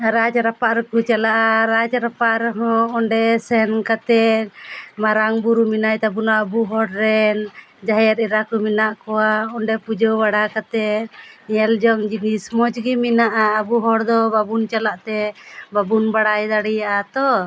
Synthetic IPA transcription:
ɾad͡ʒaɾapaʔɾɛkut͡ʃalaʔaɾad͡ʒaɾapaʔɾɛɦɔ̃ːɳɖɛsɛnkat̪ɛ | maɾaŋbuɾuminajt̪ɛbunaʔbuɦɔɽɾɛn | d͡ʒaɦjɛɾɛɾakɔminaʔkɔwaɔɳɖɛpud͡ʒɔbaɽakat̪ɛ | ɛld͡ʒɔŋd͡ʒinismɔd͡ʒɡiminaʔaːbuɦɔɽd̪ɔbabunt͡ʃalaʔt̪ɛbabunbaɽajd̪aɽijaʔat̪ɔ

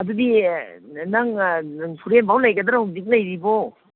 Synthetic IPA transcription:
ɐd̪udi | naŋnaŋpʰuɾenbawlɐjɡɐd̪ɾahuzik̚lɐjɾibɔ

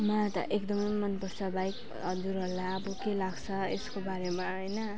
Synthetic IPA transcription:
mʌt̪ʌ̰ʔekd̪ʌmʌjmʌnpʌrt͡sʰʌbajk | ʌd͡zuɾɦʌɾlaʌbʌkelaɡt͡sʰʌeskobaɾemaɦʌjnʌ

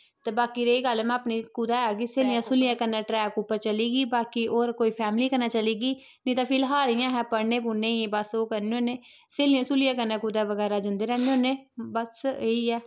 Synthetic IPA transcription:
t̪eːbaːkiːɾeːiːɡəlɛmɛ̃əpniːkuːd̪aːɛːɡiseːlɪjãːsʊlɪjãːkənːãːʈɾɛːkʊpːəɾt͡ʃəliːɡiːbaːkiːʔoːɾkoːiːpʰɛːmliːkəɾnaːt͡ʃəliːɡiː | nĩːt̪ãːpʰɪlɦaːɾijãːɦɛ̃ːpəɾneːpuːnẽːibəsoːkəɾneːoːneː | seːlɪjãːsʊlɪjãːkənːɛ̃ːkuːd̪aːʋəɡɛːɾaːd͡ʒə̃nd̪eːɾɛːneːoːneːbəseːiːɛː

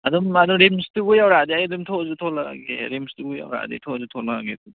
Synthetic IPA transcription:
adumaduŋɾimstuɡujawɾadiajdumtʰɔzutʰɔla̰ɡeɾimstuɡuja̰wɾa̰ditʰɔzutʰɔlaaɡedu

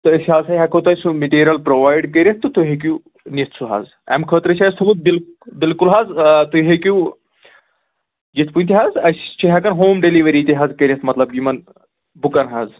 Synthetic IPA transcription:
t̪ɨɐsʲɦaːzsɐjɦɐkʰɐt̪ɐsũmiʈiːɾʲɐlpɾoʋaːjɖkɐɾʲet̪ːɨt̪uɦek̬ʲu | nit̪ʰsʰuɦa̰z | ɛ̰mkʰəːt̪ɾɐt͡ʃʰʲaːjst̪ʰɐmut̪̚bilbilkulɦaːzt̪uɦekʲu | d͡ʒit̪̚ʰpunʲt̪ʲiɦazɐsʲt͡ʃʰiɦɐkɐnɦoːmɖeliʋɐɾiːt̪iɦazkɐɾʲɐt̪mɐt̪lɐbjimɐn | bukɐnɦaz

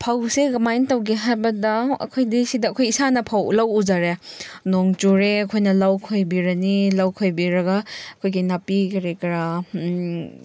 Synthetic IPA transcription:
pʰawseɡɐmajntɐwɡeɦajbɐdɐɐ̰kʰojdisidɐːkʰojisanɐpʰawlawud͡ʒaɾenoŋt͡ʃuɾeɐkʰojnɐlawkʰojbiɾɐnilawkʰojbiɾɐɡɐɐkʰojɡinapikɐɾekɐɾa

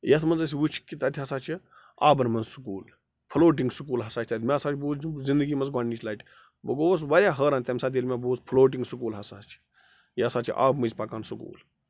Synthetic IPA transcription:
jɐt̪ʰmɐnzɐs̬ʲiʋut͡ʃʰi̥kʲit̪ɐt̪ʰʲiɦɐsaːt͡ʃʰi | aːbɐnmɐnzsu̥kuːl | pʰloːʈ̬iŋɡsukuːlɦɐsaːt͡ʃʰʲt̪ɐt̪ʰʲmʲeɐsaːt͡ʃʰibuːzind̪əɡiːmɐnzɡwaɳːiːt͡ʃʰlaːʈʲ | bɐ̰ɡoːs̬ʋɐɾʲjaːɦəːɾaːnt̪ʲɐmsaːd̪ʲilʲmʲeboːspʰloːʈ̬iŋɡsukuːlɦɐsaːt͡ʃʰi̥ | jɐsaːt͡ʃʰḭʔa̰ːbmɨzʲpɐkaːnsukṵːl

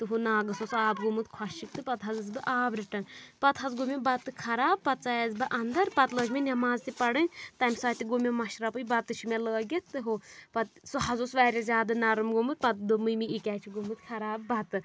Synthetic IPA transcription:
t̪ɨɦunaːɡɐsosaːbɡumɨt̪kʰwɐʃik̚t̪ɨpɐt̪ɦɐzɨzbɨʔaːbɾʲiʈɐnpɐt̪ɦɐzɡumʲibɐt̪ːɨkʰɐɾaːb̚pɐt̪t͡sajɐzbɨʔɐnd̪ɐɾpɐt̪ləːd͡ʒminʲɐmaːzt̪ipɐɽɨnʲt̪ɐmʲsɐːt̪iɡumʲemɐʃɾɐpɨjbɐt̪ːɨt͡ʃʰimʲeləːɡʲit̪t̪ɨɦopɐt̪suɦɐzosʋaːɾʲɐzʲaːd̪ɨnɐɾɐmɡumɨt̪̚pɐt̪d̪ɨmɨjmiikʲaːt͡ʃʰiɡumɨt̪kʰɐɾaːbːɐt̪ɨ

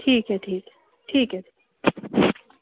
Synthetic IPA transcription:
ʈʰiːkɦɛʈʰiːkɦɛ | ʈʰiːkɦɛʈʰiːk

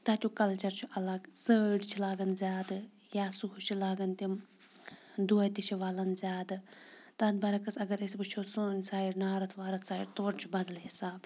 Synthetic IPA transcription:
t̪at̪ʲukɐlt͡ʃɐɾt͡ʃʰuʔɐlɐɡsəːɖt͡ʃʰilaːɡɐnzʲaːd̪ɨ | jaːsuɦut͡ʃʰilaːɡɐnt̪im | d̪uɐjt̪it͡ʃʰiʋaːlɐnzʲaːd̪ɨt̪ɐd̪bɐɾɐkɐsɐɡɐɾɐsʲibɨt͡ʃʰoːsoːnʲsaːiɽnaːɾɐt̪ʰʋaːɾɐt̪ʰsaːḭɾt̪oɐɾt͡ʃʰubɐd̪ɐlɦisaːb

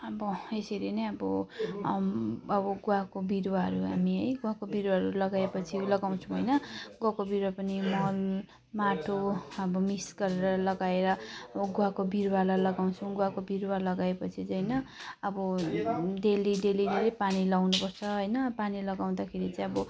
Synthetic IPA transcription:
ʌbʌesilenʌjʌbʌ̰ | ʌbʌɡuakobiɾwaɦʌ̰ɾuɦamiɦʌjɡuwakobiɾwaɦʌɾulʌɡaepʌt͡sʰilʌɡaw̃t͡sʰũɦʌjnʌɡwakobiɾwapʌnimʌl | maʈʰoʌbʌmisɡʌɾeɾʌlʌɡaeɾʌʌbʌɡuwakobiɾwalalʌɡaw̃t͡sʰʌ̃ɡuakobiɾwalʌɡaepʌt͡sʰit͡sʌjnʌʌbʌ | ɖelidelid̪elipanilawnupʌrt͡sʰʌɦojnʌpanilʌɡaw̃d̪akʰeɾit͡sʌĩʌbʌ

